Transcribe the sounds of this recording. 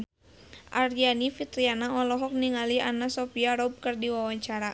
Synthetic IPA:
ʔaɾianifit̪ɾianaɔlɔɦɔk̚niŋalianasɔpiaɾɔb̚kɨrdiwawaɲt͡ʃaɾa

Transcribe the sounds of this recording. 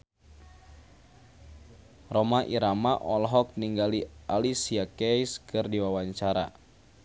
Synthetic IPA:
rɔmaʔiɾamaʔɔlɦɔk̚niŋɡaliʔalisiakɛjskɨrdiwawaɲt͡ʃaɾa̰

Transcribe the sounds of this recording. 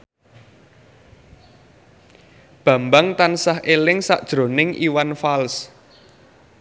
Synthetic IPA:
b̥ä̤mbaŋt̪ansahʔelɪŋsa̰ʔd̥ʒ̥ɾo̤nɪŋʔiwanfals

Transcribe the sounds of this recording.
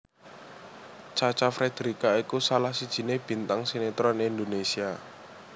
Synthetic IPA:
t͡ʃat͡ʃafɾed̪̥ɾikaikusalahsid̥ʒ̥i̤neb̥i̤nt̪aŋsinet̪ɾɔnind̪onesia

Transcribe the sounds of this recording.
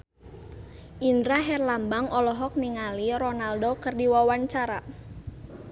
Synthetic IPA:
ʔindɾaɦɛrlambaŋɔlɔɦɔk̚niŋaliɾɔnaldokərdiwawaɲt͡ʃaɾa̰

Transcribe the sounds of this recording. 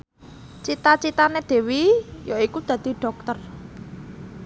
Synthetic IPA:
t͡ʃit̪at͡ʃit̪aned̪̥e̤wijoikud̪̥ä̤d̪̥i̤ɖ̥ɔ̤k̚t̪ər

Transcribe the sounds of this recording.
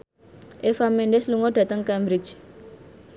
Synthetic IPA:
ʔefameɳɖɪsluŋɔɖ̥ä̤t̪əŋkɛmbɾɪ̥d͡ʒ

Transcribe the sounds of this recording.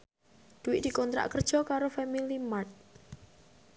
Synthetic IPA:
d̪̥uwɪʔd̥̪i̤kɔnt̪ɾa̰ʔkərd̥ʒ̥ɔ̤kaɾofamilimat̪̚

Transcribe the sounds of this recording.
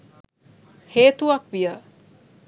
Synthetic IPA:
heːt̪uakʋija

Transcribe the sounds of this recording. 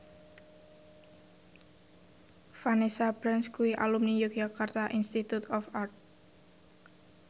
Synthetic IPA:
fanesapɾɛnskuiʔa̰lumnijʊk̚d͡ʒakart̪aʔinst̪it̪ut̪ɔfart̪̚

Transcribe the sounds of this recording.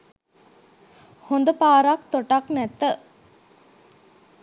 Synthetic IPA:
hond̪əpaːɾakt̪oʈaknɛt̪ːə

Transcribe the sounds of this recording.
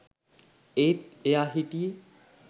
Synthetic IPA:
et̪eaɦiʈi

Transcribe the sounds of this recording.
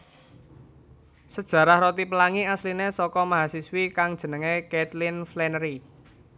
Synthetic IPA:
səd̥ʒ̥ä̤ɾahɾot̪ipəlaŋiaslinesɔkɔmaɦasiswikaŋd̥ʒ̥ə̤nəŋekɛt̪lɪnflɛnɾi

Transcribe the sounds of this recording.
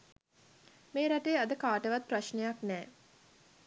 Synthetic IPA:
meːɾaʈejəad̪əkaːʈəʋat̪̚praʃnejaknɛː

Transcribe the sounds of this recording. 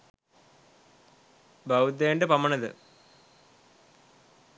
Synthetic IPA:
bɐwud̪eːɳɖepɐmːɐɳɐðɨ̰

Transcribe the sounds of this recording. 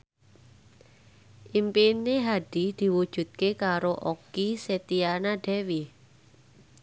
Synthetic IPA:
ʔimpineɦaɖ̥id̪̥i̤wud̥ʒ̥ṳt̪̚kekaɾoʔokiset̪ianaɖ̥ɛ̤wi

